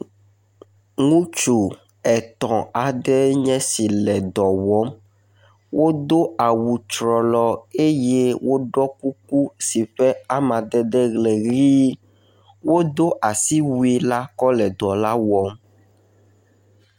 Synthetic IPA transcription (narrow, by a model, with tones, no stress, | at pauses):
ŋũ˦t͡ʃu˨ | ɛ˨t̪ɔ̃˨a˨ɖɛ˦ɲɛ̃˦si˨lɛ˨d̪ɔ˨wɔ˦m | wo˦d̪o˦a˨wu˨t͡ʃɾɔ˨lɔ˨e˦je˦wʔo˦ɖɔ˦ku˦k̚u˦si˨ɸɛ˦a˦mã˨d̪ɛ˦d̪ɛ˦ɣlɛ˨ɣi˦ | wo˦d̪o˦ʔa˨si˦wu˦i˦la˦kɔ˦lɛ˨d̪ɔ˨la˦wɔ˨˦m